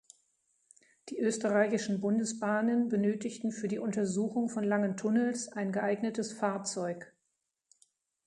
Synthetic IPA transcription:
d̥iːʔøːstəʁaɪçɪʃn̩bʊndəsb̥aːnənbənøːtɪçtn̩fyːɐdiːʔʊntɐzuːxʊŋfɔnlaŋəntʰʊnəlsʔaɪnɡəʔaɪɡnətəsfaːɐt͡sɔʏk

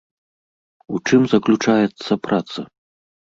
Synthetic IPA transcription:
ut͡ʂɨmzɐklʲut͡ʂajɛt̪sːɐpɾʔat̪sɐ

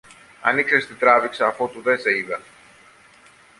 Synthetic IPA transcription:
ɐniksest̪it̪ɾɐviksɐːfot̪uðeseiðɐ

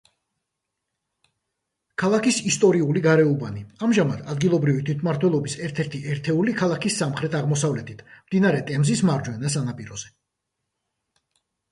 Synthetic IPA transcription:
kʰalˠakisist̪ʼɔɾiuliɡaɾɛubaniamʒamad̪ad̪ɡilˠɔbɾivit̪ʰwit̪ʰmaɾt̪ʰwɛlˠɔbisɛɾt̪ʰɛɾt̪ʰiʔɛɾt̪ʰɛulikʰalˠakʰisːamχɾɛt̪ʰaʁmɔsavlɛt̪ʰit̪ʰmd̪inaɾɛt̪ʼɛmzismaɾd͡ʒwɛnas̬anapʼiɾɔz̥ɛ

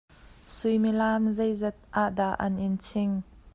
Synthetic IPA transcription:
sʊjmilaːmzejzɛt̪̚ʔaʔdaʔɐ̰nʔɪnt͡sʰɪŋ

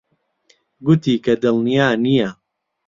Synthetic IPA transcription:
ɡʊt̪iːkɐd̪ɨlnijaːnijɐ

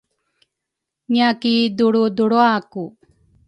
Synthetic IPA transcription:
ɲakid̪uɽud̪uɽoaku

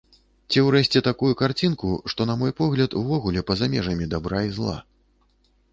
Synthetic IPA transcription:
t͡sʲiwɾɛɕʲt͡sʲɛt̪akujukart͡sʲinkuʂt̪ɔnɐmɔjpɔɣlʲɐt̪uvɔɣulʲɛpɐzamʲɛʐɐmʲid̪abɾaizlˠa̰

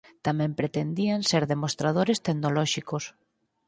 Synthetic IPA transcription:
t̪amɛ̃mpɾet̪end̪ianseɾðemost̪ɾað̞oɾest̪eɣnolɔʃikos

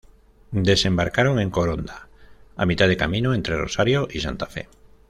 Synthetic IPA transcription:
d̪esembaɾkaɾoŋẽŋkoɾond̪aa̰mit̪aðekamĩnoent̪ɾero̰saɾjoʔisa̰nt̪afe

